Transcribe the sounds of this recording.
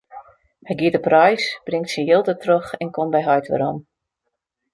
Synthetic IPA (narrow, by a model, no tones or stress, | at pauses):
hɛjɡiədəprɔjsb̥rɪŋktsənjɪlˠtətrøxɛnkʰombɛjɦɔjtʋə̰ɾɔm